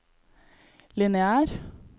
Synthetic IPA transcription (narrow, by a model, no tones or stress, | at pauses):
lɪnɛæːɾ